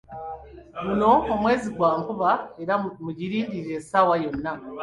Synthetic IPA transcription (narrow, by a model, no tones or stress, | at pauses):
ɡuno̞ːmwe̞ːziɡwaːŋkuβaeɾamuɟiɾiːnɟiɾesaːwajo̞nːa